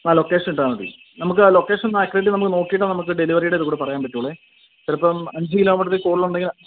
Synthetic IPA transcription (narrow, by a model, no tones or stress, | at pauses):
aːlo̞kːeːʂɐnuɳʈːaːnɐɽḭ | nɐmukːɨlo̞kːe̞ːʂɐnnnːekːreʈːinɐmukːɨno̞ːkːijiʈːɨnɐmukːɨɖeliʋɐrijuɽeɐðɨkuːɽepɐrɐjaːnpɐtːiuːɭe | t̪iɾɐpːɐmɐɲd͡ʑɨkilo̞ːmiʈːɐt̪ːikoːɽiluɳɖeŋɡil